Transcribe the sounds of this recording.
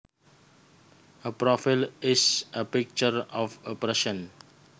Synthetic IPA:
əpɹɔfilɪsəpik̚t͡ʃəɹɔfɔpɾɛʃə̃n

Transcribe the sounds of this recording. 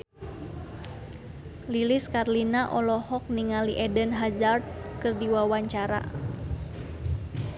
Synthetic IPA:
liliskarlinaʔɔlɔhɔk̚niŋaliʔɛdənɦazard̪̚kɨrdiwawaɲt͡ʃaɾa̰

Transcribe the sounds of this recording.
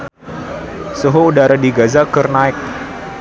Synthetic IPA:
suɦoudaɾadiɡazakərnaɪk̚

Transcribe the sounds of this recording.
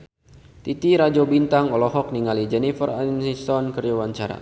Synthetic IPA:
t̪it̪iɾad͡ʒɔbint̪aŋɔlɔɦɔk̚niŋalid͡ʒɛnifəransisɔnkərd͡ʒawaɲt͡ʃaɾa̰

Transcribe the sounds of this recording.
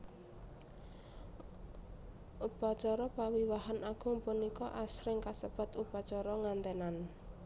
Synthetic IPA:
ʔupat͡ʃɔɾɔpawiwaɦanaɡ̥ʊ̤mpunikɔʔasɾɪŋkasəb̥a̤t̪upat͡ʃɔɾɔŋant̪ɛnan

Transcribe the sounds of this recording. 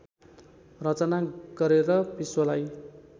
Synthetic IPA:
rʌt͡sʌnaɡ̥ʌɾeɾʌpiswʌlaj

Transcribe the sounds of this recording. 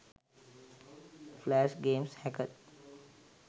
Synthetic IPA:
flæːʃɡeːmshɛkəʈ

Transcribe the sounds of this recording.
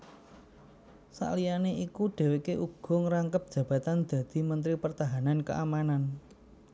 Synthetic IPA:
sa̰ʔlijaneʔikuɖ̥e̤wekeʔuɡ̥ɔ̤ŋəɾaŋkəp̚d̥ʒ̥ä̤b̥ä̤t̪and̪̥a̤d̪̥i̤mənt̪ɾipərt̪aɦanankə̰ʔamanan

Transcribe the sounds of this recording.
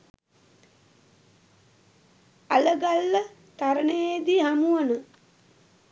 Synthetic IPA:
aləɡalːə | t̪aɾənəjed̪iɦamuʋənə

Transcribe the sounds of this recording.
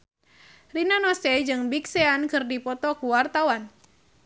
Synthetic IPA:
rinanɔsɛd͡ʒɨŋbikseankɨrdipɔt̪ɔkuwart̪awan

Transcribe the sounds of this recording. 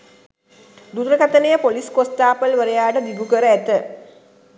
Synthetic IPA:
d̪ud̪ɾəkat̪ənəjəpoliskost̪aːpəlʋəɾejaːʈəd̪ibukəɾəæt̪ə

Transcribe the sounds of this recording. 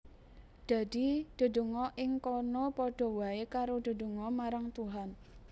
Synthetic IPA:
d̪̥a̤d̥i̤d̪̥o̤do̤ŋɔʔɪŋkɔnɔpɔɖ̥ɔ̤waekaɾod̥̪o̤do̤ŋɔmaɾaŋt̪uɦan

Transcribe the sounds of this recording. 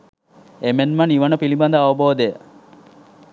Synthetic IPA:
emenmɐniʋɐnəpilibɐnd̪əɐʋɐboːd̪ejə

